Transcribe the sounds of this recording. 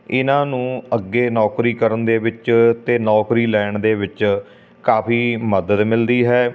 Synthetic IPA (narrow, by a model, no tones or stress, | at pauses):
ɪnãːnũːəɡːeːnɔːkɾiːkəɾənd̪eːʋɪt͡ʃt̪eːnɔːkɾiːlɛːɳd̪eːʋɪt͡ʃ | kaːpʰiːməd̪əd̪mɪld̪iːɦɛː